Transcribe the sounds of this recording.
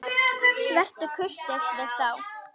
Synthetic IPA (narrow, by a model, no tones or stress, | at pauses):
kvɛr̥t̪ʏkʰʏr̥t̪ɛsɛθaw